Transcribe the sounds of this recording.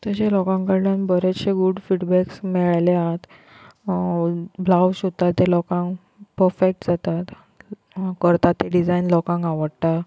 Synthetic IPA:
t̪əɕelɔkãŋkaɾɖə̃nbəɾet͡sɕeɡuɽfiɽbɛksmɛɭajleaɦt̪ | blawɕut̪ːat̪ːelɔkãŋk | pəɾfek̚ʈd͡zat̪at̪ | kəɾt̪at̪ːeɖid͡zajnlɔkãŋkaʋəɽt̪a

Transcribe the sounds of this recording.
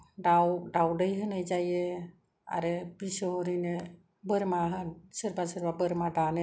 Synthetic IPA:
ɖawɖawɖəjɦɯnəjd͡ʒaje | a̰ɾebisɔɾine | bəɾmaɦənsəɾbasəɾbabəɾmaɖane

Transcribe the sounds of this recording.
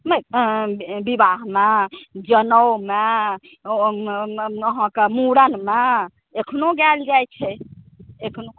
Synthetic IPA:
me | bibaɦmed͡ʒənəwme | əɦə̃kemuɽənme | ekʰnoɡɛld͡ʒajt͡ʃʰɛ | ekʰno

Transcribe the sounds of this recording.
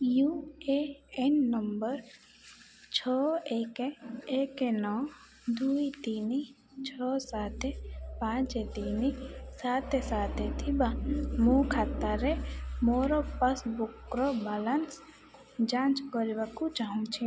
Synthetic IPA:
jueenːəmbəɾ | t͡ʃʰɔːeːkeekenɔː | d̪uːit̪ini | t͡ʃʰɔːsaːt̪ʰepãːt͡ʃet̪iːnisaːt̪esaːt̪ʰet̪ʰibamokʰat̪ːaɾemoːɾopɐsbukɾobaːlans | d͡ʒãːnt͡ʃkɔɾibakut͡ʃaɦũt͡ʃʰi

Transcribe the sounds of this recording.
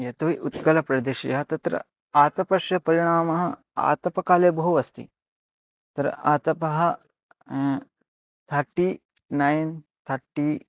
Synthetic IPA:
jɐt̪uʋiʔut̪kɐlɐpɾɐd̪eːʃḭjɐɦɐt̪ɐt̪ɾɐ̰ | aːt̪ɐpɐʃjɐpɐɾiɽ̃aːmɐɦɐ̆ | a̰ːt̪ɐpɐkaːleːbɐɦuʋɐst̪ḭ | t̪ɾɐ̰ʔaːt̪ɐpɐɦɐ̆ | t̪ʰɐɾʈːi | nɐjnt̪ʰɐɾʈi

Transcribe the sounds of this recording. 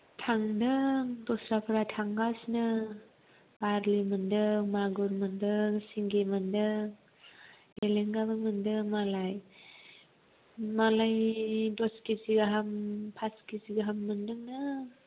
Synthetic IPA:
tʰaŋdɯdɔsɾapʰɯɾatʰaŋɡasnɯ | b̥aɾlimɯndɯmaɡuɾmɯndɯŋsiŋɡemɯndɯ | eleŋɡaβɯmɯndɯmalaj | malajdɔskiziɡaɦampʰaskiziɡaɦamːɯndɯŋnɯ

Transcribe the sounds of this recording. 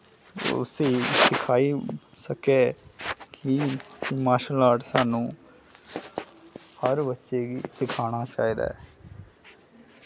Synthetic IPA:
ʊ̰seːsɪkʰaːisəkeːkimaːʃəlaːʈsaːnũː | həɾbətːʃeːɡisɪkʰaːɽ̃aːt͡ʃa̰ːɦiːd̪a̰ɛ

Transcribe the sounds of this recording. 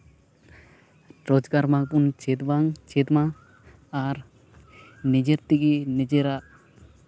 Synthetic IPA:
ɾɔd͡ʒɡaɾmak̚punt͡ʃet̪baŋt͡ʃet̪maː | ɾ | ned͡ʒeɾt̪ikinɛd͡ʒeɾa

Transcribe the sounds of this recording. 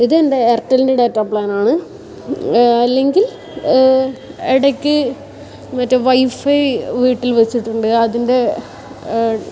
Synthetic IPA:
iðendeːrtːɐlndeɽeːtːɐːpɭaːnaːɳɨ | ɐlːe̞ŋɡil | eɽɐkʲːɨ | mɐtːɐʋɐjfɐjʋiːʈːilʋet͡ɕːiʈːuɳɖɨɐðinde̞

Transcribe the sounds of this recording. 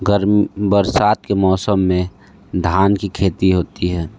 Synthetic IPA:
ɡəɾmbəɾsaːt̪kemɔːsəmːẽ | d̪ʱaːnkikʰeːt̪iɦoːt̪iɦɛː

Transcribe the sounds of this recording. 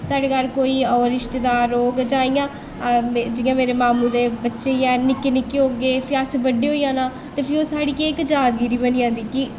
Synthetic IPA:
saːɽeːkəɾkoːiːɔːɾɪʃt̪ed̪aːɾːoːɡd͡ʒaːiːãː | d͡ʒɪjãːmeːɾeːmaːmũːd̪eːbətːʃeːjɛ̃ːnɪkːeːnɪkːeɦoːɡeːpʰɪəsbəɖːeːɦoːiːjãːnaː | t̪eːpʰɪɾoːsaːɽiːkeɪkd͡ʒaːd̪ɡiːɾiːbənijãːd̪iːkɪ

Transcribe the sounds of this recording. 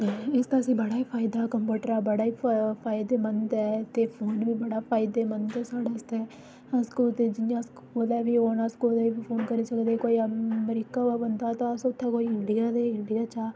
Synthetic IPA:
ɪst̪asĩːbəɽaːiːpʰaːɪd̪aːkəmpuːʈəɾɛːbəɽaːiːpʰaːɪd̪eːmənd̪ɛːt̪eːpʰoːnʋiːbəɽaːpʰaːɪd̪eːmə̃nd̪ɛːsaːɽɛːst̪eː | əskuːt̪eːd͡ʒɪjãːskolɛːbiːoːnaskoːleːbiːpʰoːnkəɾniːsəkd̪eːkoːiːmɾiːkaːʋaːbənd̪aːt̪ãəsʊt̪ʰːɛːkoːiːɪɳɖijaːd̪eːɪɳɖijaːt͡ʃaː

